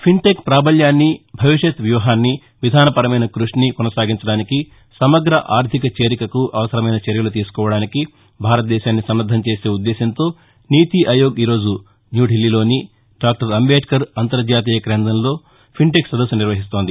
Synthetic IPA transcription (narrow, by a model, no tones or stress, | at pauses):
pʰiɳʈekpɾaːbɐljaːnːibʱɐʋiʃɐt̪ʋjuːɦaːnːi | ʋid̪ʱaːnɐpɐɾɐmɐjnɐkɾuʂnikɔnɐsaːɡiɲt͡ʃɐɽaːniki | sɐmɐɡɾɐʔaːɾt̪ʰikɐt͡ʃe̞ːɾikɐkuʔɐʋɐsɐɾɐmɐjnɐt͡ʃɐɾjɐlut̪iːsu̥kɔːʋɐɽaːniki | bʱaːɾɐt̪̚d̪ɛːʃaːnːisɐmːɐd̪ʱːɐmt͡ʃe̞ːse̞ːud̪ːɛːʃɐnt̪o̞ː | niːt̪iʔɐjo̞ːɡiːɾo̞ːd͡ʒu | njuːɖʱilːilo̞ːni | ɖaːk̚ʈɐɾɐmbeːʈkɐɾɐnt̪ɐɾd͡ʒaːt̪̬iːjɐkɾeːnd̪ɐnlo̞ː | pʰiɳʈeksʋɐd̪ɐs̬ːɐniɾʋɐɦist̪o̞ːnd̪i